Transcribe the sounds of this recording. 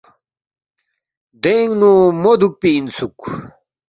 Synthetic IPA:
d̪eŋɡnumod̪uk̚piːnsuk

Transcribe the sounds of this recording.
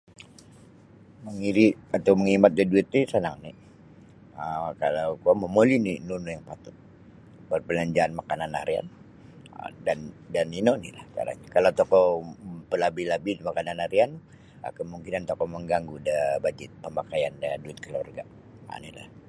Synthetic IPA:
məŋiɾiat̪awməŋimat̪̚dəduɪt̪̚nisənaŋni | əkalawkuaməmolininunujaŋpat̪ʊt̪̚ | bərpəlaɲd͡ʒaːnmakanana̰ɾia̰n | ə̰dandaninonila̰hka̰ɾa̰ɲakalat̪ɔkɔpəlabilabimakananːaɾian | ə̰kəmuŋkinant̪ɔkɔməŋɡaŋɡudəbad͡ʒɪt̪̚pəmbakajandaduɪt̪̚kəlua̰rɡa̰ | a̰nila̰h

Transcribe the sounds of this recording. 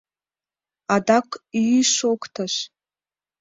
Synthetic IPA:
adakʷʰʼiiʂokʷtʰaʃ

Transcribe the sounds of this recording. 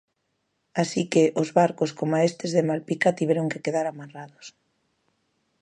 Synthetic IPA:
asikeʔozβaɾkoskomaest̪ezðemalpikat̪iβ̞ɛɾoŋkekeðaɾamaraðos

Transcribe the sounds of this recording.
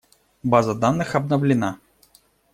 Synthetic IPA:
bazəd̪anːɨxɐb̚nəvlʲɪna

